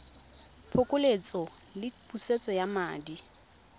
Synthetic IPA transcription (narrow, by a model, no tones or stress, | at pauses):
pʰokʼʊlet͡sʼɔ | lɪpʼuset͡sʼɔjamaːdi